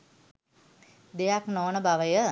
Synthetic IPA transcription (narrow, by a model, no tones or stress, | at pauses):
d̪ejaknoːnəbaʋəjə